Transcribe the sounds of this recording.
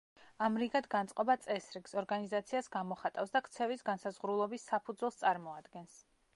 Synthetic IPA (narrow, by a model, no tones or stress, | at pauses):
amɾiɡad̪ɡant̪sʼqʼɔbat̪sʼɛsɾiɡsɔɾɡanizat̪sʰiasɡamɔχat̪ʼafsd̪akt̪sʰɛvisɡansazʁɾulˠɔbisːapʰud̪zwɛlˠst̪sʼaɾmɔad̪ɡɛns